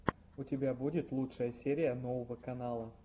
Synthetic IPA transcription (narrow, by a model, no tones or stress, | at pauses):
ʊtʲɪbʲabudʲɪt̪lˠutʂəjəsʲeɾʲɪjənovəvəkɐnalˠə